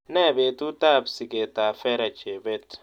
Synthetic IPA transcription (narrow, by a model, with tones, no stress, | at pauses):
nɛ˦˨be˨tu˦ta˦˨bsi˨ke˨ta˨fɛ˦ɾa˨t͡ʃe˨be˦t